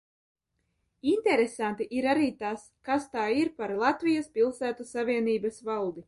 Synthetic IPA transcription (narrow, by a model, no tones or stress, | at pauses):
int̪ɛɾesant̪iʔiɾaɾiːt̪askast̪aːiɾpaɾlˠat̪vʲijaspʲilˠsæːt̪usavʲiɛniːbɐsvalˠd̪i